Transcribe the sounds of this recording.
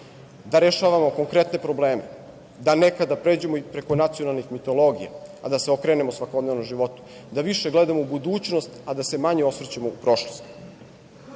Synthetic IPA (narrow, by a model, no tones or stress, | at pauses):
d̪aɾeʃaːʋamo̞ko̞ŋkɾet̪ne̞pɾo̞bleːmḛ | d̪anekad̪apɾe̞ːd͡ʑe̞moipɾe̞ko̞nat̪sionalˠnixmit̪o̞lo̞ɡijḛa̰d̪aseokɾeːne̞mosʋakod̪neʋnomʒiʋo̞t̪u̥ | d̪aʋiʃe̞ɡled̪amoubud̪uːt͡ɕno̞st̪ad̪ase̞maɲeo̞sʋɾt͡ɕemoupɾo̞ʃlost̪